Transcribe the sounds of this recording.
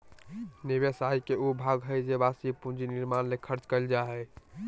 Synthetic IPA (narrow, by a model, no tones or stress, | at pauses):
nibesaikeobʱaɡɦəjd͡ʒebasipũnd͡ʒiniɾmanlekʰəɾt͡ʃkəld͡ʒaɦɛ